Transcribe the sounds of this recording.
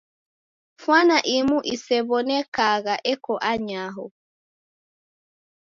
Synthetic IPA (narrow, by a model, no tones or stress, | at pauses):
fwanaʔimuʔisɛβɔnɛkaɣaʔɛkɔʔaɲaɦɔ